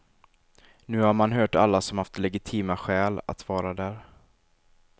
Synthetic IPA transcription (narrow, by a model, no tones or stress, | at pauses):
nʉ̟ːhaɾmanɦœːʈa̰lːasɔmhaft̪lɛɡɪt̪ʰiːmaɧɛːla̰t̪vɑːɾad̪æːɾ